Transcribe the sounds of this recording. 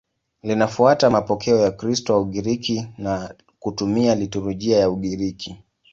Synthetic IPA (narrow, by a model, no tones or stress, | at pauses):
linafuatamapɔkʰɛɔjakɾistɔauɠiɾikina | kutumialituɾuʄiajauɠiɾikʰi